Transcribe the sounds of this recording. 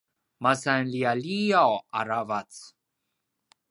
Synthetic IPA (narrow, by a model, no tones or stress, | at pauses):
masanlialijawa̰ɾavat͡s